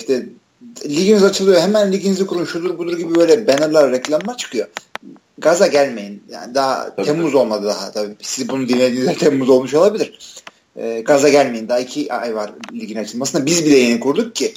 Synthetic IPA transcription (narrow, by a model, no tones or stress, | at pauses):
ʃt̪ʰɛ | lʲiɟinizat͡ʃʰɯlˠɯjoɦemænlʲiɟinizʲikʰuɾunʃud̪uɾbud̪uɾɟibibø̞jlʲɛbenaɾlʲˠaɾːɛclʲamlˠaɾt͡ʃʰɯ̥kʰɯjo̞ | ɡazaɟælʲme̞jinja̰nd̪aɦa̰t̪ʰɛmːuzo̞lˠmad̪ɯd̪aɦat̪ʰabisizbunund̪inlʲe̞d̪iːizʲɛt̪ʰɛmːuzo̞lˠmuʃo̞lˠabilʲiɾ̥ | ɛːɡazaɟælʲme̞jind̪aɦaicʰiʔajvaɾlʲiɟinat͡ʃʰɯlˠmasɯnabizbilʲɛjenikʰuɾd̪uk̚cʰːɪ